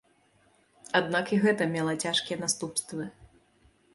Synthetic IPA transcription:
ad̪nakiɣɛt̪ɐmʲɛlˠɐt͡sʲaʂkʲijɛnast̪upst̪vɨ

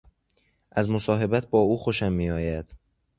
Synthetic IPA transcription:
ʔæzmosɒːɦe̞bæt̪̚ʰbɒːuːxo̞ʃæmːiːɒːjæd̪̥

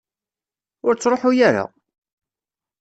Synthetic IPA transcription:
ʊɾt͡sːɾˤoħujaɾa̰

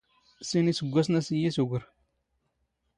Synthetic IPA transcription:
sinisəɡʷːasnasijisuɡʷuɾ

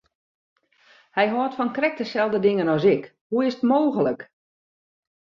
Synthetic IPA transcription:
hɛjɦɔːtfɔnkrɛk̚dəsɛlˠdədɪŋənɔsɪk | huɪsətmoːɣələk

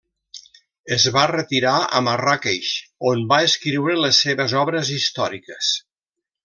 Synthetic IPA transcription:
əzβarət̪iɾaə̰marakeʃonbaeskɾiwɾələsːeβəzɔβɾəzist̪ɔɾikəs

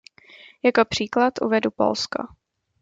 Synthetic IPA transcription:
jakopr̝̥iːklat̪ʔṵvɛdupo̰lsko̰

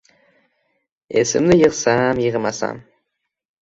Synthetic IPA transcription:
ḛsɪ̰mnɪjəqsɑmjəʁəmɑsɑ̰m

